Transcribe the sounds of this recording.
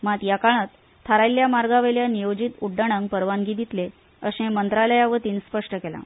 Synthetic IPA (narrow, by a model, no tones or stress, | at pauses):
mat̪jakaɭ̃ət̪ʰː | aɾajlːjamaɾɡaʋeljanijod͡ʑit̪uɖːəɽ̃əŋɡpəɾʋanɡid̪it̪le | əɕẽmənt̪ɾaləjaʋət̪iːnspəʂʈəkela̰